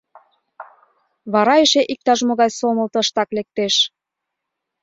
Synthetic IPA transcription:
βɑɾɑeʃeʔik̚t̪ɑʒmoɣɑjsoməlt̪ə̆əʃt̪ɑklek̚t̪eʃ

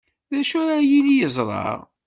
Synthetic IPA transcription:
ðæʃʊɾajilijəzˤɾˤɑ̰ʁ

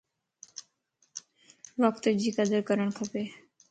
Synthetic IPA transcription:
bɔkt̪od͡ʑikad̪eɾkɔɾonkʰɔpe

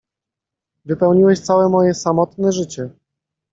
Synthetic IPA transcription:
vɘpɛwɲiwɛɕt̪sawɛmɔjɛsamɔt̪nɛʐɘt͡ɕɛ

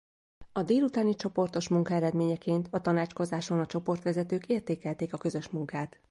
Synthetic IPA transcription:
ɒd̪eːlut̪aːnit͡ʃo̞po̞rt̪o̞ʃmuŋkɒɛɾɛd̪meːɲɛkeːnt̪ɒt̪ɒnaːt͡ʃko̞zaːʃo̞nɒt͡ʃo̞po̞rt̪ʋɛzɛt̪øːkeːrt̪eːkɛlt̪eːkɒkø̞zø̞ʃmuŋkaːt̪

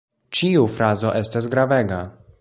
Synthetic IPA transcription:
t͡ʃiufɾazo̞ʔe̞stas̬ɡɾaveɡa

